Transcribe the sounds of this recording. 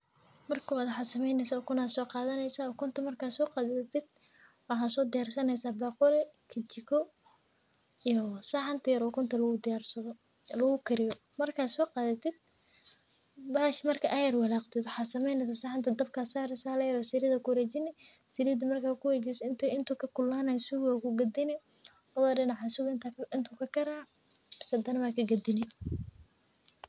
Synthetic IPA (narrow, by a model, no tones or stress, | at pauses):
mɐrkʰʊwaːd̪ħɑsɐmɛjnɛsaɔkʰʊnaːsɔːqɑːðɐnɛjsaːɔkʰʊnt̪ʰɐmɐrkʰaːsɔːqɑːðɐt̪ʰɪd̪ | wɑħɑːsɔːd̪ɪjaːrsɐnɛjsaːbɑːqʊlɛkʰɐt͡ʃɪkʰɔ | ijɔsaːħant̪ʰɐjɐɾɔkʰʊnt̪ʰɐlɐɣʊd̪ɪjaːrsɐðɔ | lɐɣʊkʰɪɾɪjɔ | mɐrkʰaːsɔːqɑːðɐt̪ʰɪd̪̥ | baːʃmɐrkʰɐʔajɐrwɑlaːqt̪ʰɪd̪wʊħaːsɐmɛjnɛs̬ɐsaːʕɑnt̪ʰɐd̪ɐb̚kʰasaːɾɪsaːlɐjɐɾɔsɪɾɪðɐkʰʊɾɛt͡ʃɪnɪ | sɪɾɪd̪ɐmɐrkʰaːkʰʊwɛt͡ʃɛsɪnt̪ʰɪnt̪ʰʊkʰɐkʰʊlːaːnaːsʊɣwakʰʊɡɐd̪ɪnɪ | ɔðɐɗɪnɑʕasʊɣnt̪ʰɪnt̪ʰukʰɐkʰɐɾaː | sɐd̪ɐnɐmaːkʰɐɡɐd̪ɪnɪ